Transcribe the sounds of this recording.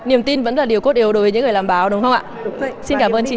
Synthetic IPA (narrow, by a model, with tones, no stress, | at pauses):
ni˨˩əmt̪i˧nvə̰˧˥nlaː˨˩ɗi˨˩əwko˦˥t̚ɗi˨˩əwɗo˨˩və˨˦ɲɨ̰˧˥ŋɨ˨˩laː˨˩mɓaː˨˦wɗʊ˨˦ŋ͡mxə˧wŋ͡maː˧˨si˧nkaː˧˩mʔəː˧nt͡ɕi˧